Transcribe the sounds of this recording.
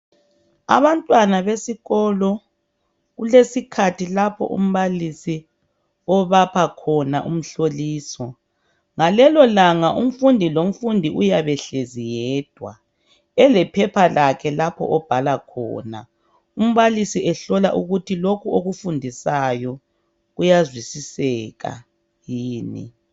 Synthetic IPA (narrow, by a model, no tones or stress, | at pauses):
a̰βantʼwanaβesiɣɔlɔ | ɣulesikʰatʰilapʰɔ̰ʔṵm̩βalisi | ɔβapʰakʰɔna̰ʔṵm̩ɬoliːsɔ | ŋalɛlɔlaŋaʔum̩fundʱilom̩fundʱiʔujaβɛɬezijɛːd̥ʱwa | ɛlɛpʰɛpʰalakʰɛlapʰɔ̰ʔɔb̥ʱalakʰɔ̰ːna | um̩βalisiʔɛɬɔlaʔuɣutʰilokʰuoɣufundʱisajɔ | ɣujazwisisɛɣa̰ | jiːnḭ